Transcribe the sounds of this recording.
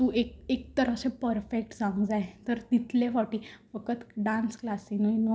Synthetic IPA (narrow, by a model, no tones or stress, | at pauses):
t̪uːʔek̚ek̚t̪əɾəɕẽpəɾfek̚ʈd͡zãŋɡd͡zajt̪əɾt̪it̪lefɔʈifəkət̪ɖãnsklasĩnojno